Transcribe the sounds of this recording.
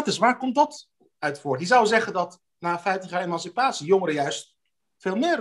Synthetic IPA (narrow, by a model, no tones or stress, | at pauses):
tɪsʋaːɹkɔmt̚dɑt | œɥtfʊːɹtɦizʌwzɛχəndɑt | naːfɛjtəχjaːemɑnsipaːtsijoŋəɾəjœɥst | feːlˠmɪːr